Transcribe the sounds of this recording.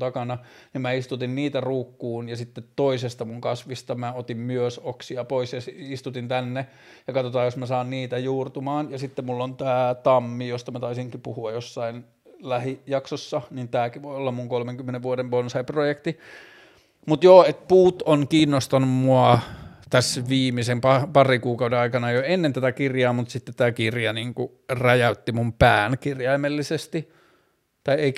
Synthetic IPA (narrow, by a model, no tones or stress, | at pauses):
t̪ɑkɑnɑnimæist̪ut̪inniːt̪æruːkːuːnjɑsit̪ːet̪toisest̪ɑmuŋkɑsʋist̪ɑmæot̪immyøsoksiɑpoisjɑsist̪ut̪int̪ænːe | jɑkɑt̪ot̪ɑːjosmæsɑːnniːt̪æjuːrt̪umɑːnjɑsit̪ːemmulːont̪æːt̪ɑmːijost̪ɑmæt̪ɑisiŋkipuhuɑjjosːɑin | læhijɑksosːɑnint̪æːkiʋojolːɑmmuŋkolmeŋkymːeneʋʋuoɾeʋʋonsɑiprojekt̪i | mut̪joːet̪̚puːt̪onkiːnːost̪ɑnummuɑt̪æsʋiːmisempɑpɑrikuːkɑudenɑikɑnɑjoenːent̪æt̪ækirjɑːmut̪sit̪ːet̪t̪æːkirjɑniːŋku | rɑjæut̪ːimumpæːnkirjɑimelːisest̪i | t̪ɑiei